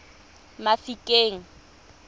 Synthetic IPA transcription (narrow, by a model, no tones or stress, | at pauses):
mafikʼeːŋ̩